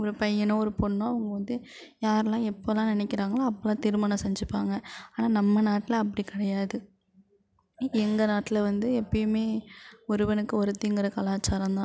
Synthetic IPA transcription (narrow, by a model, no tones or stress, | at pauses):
ɔɾɯpɐjːɐnõːɔɾɯpɔɳːõːɐʋɐŋɡɐʋɐnd̪ɯ | jaːɾɛlãːɛpːolãːnɪnɛkʲːɪɾaːŋɡɐɭaːɐpːɐlãːt̪iɾɯmɐnɐ̃sɛɲd͡ʒɯpːaːŋɡɐaːnaːnɐmːɐnaːʈːɪlɐːpːɐɽikɪɽɐjaːðɯ | ɛŋɡɐnaːʈːɪlɐʋɐnd̪ɯɛpːɐjɯmeːɔɾɯʋɐnɯkːɯɔɾɯt̪ːiɪŋɡɪɾɐkɐlaːt͡ʃːaːɾɐ̃nd̪ãː